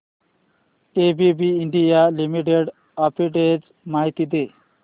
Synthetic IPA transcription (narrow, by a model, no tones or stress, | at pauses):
tebibʱiːɳɖijalimiʈeɖ | apiʈed͡z | maɦit̪id̪e